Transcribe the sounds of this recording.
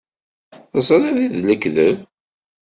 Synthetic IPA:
θəsˤɾɑðiðləkðəv

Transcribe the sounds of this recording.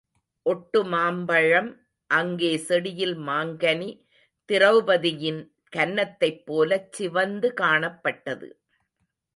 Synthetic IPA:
ʔɔʈːɯmaːmbɐɻɐm | ʔɐŋɡeːsɛɽɪjɪlmaːŋɡɐni | t̪ɪrɐʋɯbɐðɪjɪn | kɐnːɐt̪ːɐɪpːoːlɐt͡ʃːɪʋɐnd̪ɯkaːɳɐpːɐʈːɐðɯ̰

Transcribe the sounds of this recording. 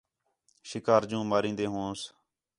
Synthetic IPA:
ʃɪkaːɾd͡ʒũːmaːɾĩːnd̪eːɦõːs

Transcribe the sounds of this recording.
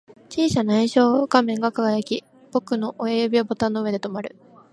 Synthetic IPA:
t͡ɕiːɕanaĩɕo̞ːɡamẽ̞ŋɡakaɡajakʲi | b̥o̞kɯ̟no̞ʔoeɯbʲiobo̞t̪ãnːoɯ̟e̞d̪e̞t̪o̞maɾɯ̟̰

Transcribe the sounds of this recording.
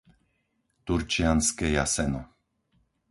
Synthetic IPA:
t̪uɾt͡ʃijanskɛjasɛnɔ

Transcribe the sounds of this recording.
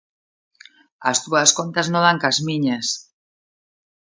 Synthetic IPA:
ast̪uɐskont̪aznoðaŋkazmiɲas

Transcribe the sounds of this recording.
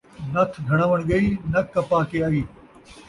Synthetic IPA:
nɐt̪ʰɡʱɐɽ̃aːʋəɽ̃ɡɐiːnɐkɐpaːkeaːʋiː

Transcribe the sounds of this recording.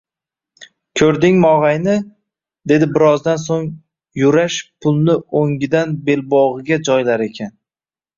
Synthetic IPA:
kʲʰɵɾd̪ɪŋmɒʁajnɪ | d̪e̞d̪ɪbɪɾɒzd̪ansoŋ | jʊɾaʃpʰʊlˠnɪoŋɡʲɪd̪anbe̞lbɒʁɨɡʲad͡ʒɒjlaɾe̞kʲʰan

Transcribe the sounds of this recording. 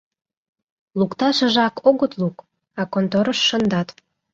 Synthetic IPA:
lukt̪ɑʃə̆ʒɑkʰoɣət̪luk | ɑkont̪oɾəʃːə̆nd̪ɑt̪

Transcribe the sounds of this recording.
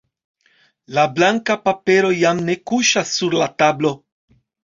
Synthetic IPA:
lablaŋkapape̞ɾo̞jamne̞kuʃasːuɾlatablo̞

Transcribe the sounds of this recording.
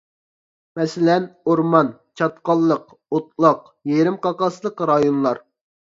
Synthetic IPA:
mɛsɪlɛnoɾmɑnt͡ʃʰɑt̪qɑlˠːəq | ot̪̚lˠəq | jeɾɪmqʰɑqɑslˠəqɾɑjonlˠɑɾ

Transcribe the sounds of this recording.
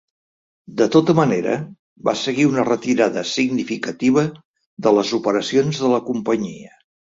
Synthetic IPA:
d̪ət̪ot̪əməneɾə̰ | ba̰səɣiunərət̪iɾaðəsiɡnifikət̪iβ̞ə | ðələzupəɾəsionzðələkumpəɲiə

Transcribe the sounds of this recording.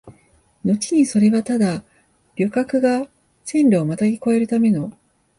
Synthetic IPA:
no̞t͡ɕi̥ɲ̟iso̞ɾe̞βat̪ad̪a | ɾʲo̞kakɯ̟ɡa | sẽ̞nɾʲaːmat̪aɡʲiko̞e̞ɾɯ̟t̪ame̞no̞

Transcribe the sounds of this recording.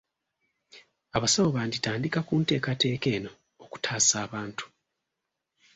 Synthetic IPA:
aβasaβoβaːnditaːndikakuːnte̞ːkate̞ːke̞ːno̞ː | ku̥tʰaːsaːβaːntu̥

